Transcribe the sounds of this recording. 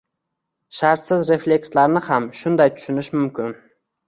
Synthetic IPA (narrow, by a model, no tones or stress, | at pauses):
ʃaɾt̪sɪzɾe̞flʲe̞kslaɾnɪhamʃʊnd̪ajt̪ʰʊ̥ʃʊnɪʃmʊmkʲɪn